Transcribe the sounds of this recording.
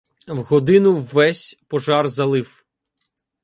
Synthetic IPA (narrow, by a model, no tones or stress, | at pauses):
wɦɔd̪ɪnʊwːɛsʲpɔʒɑrzɐlˠɪw